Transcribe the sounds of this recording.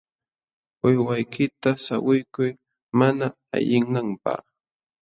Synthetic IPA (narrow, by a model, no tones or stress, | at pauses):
ʊjwajkɪt̪asa̰wʊjkʊj | mana | a̰ʎɪŋːampa̰χ